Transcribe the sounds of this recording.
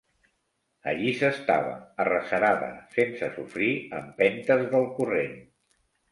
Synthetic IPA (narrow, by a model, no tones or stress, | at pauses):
ə̰ʎisəst̪a̰βə̰ːrəsəɾaðə̰sensəsufɾiəmpɛnt̪əzðəlˠkuren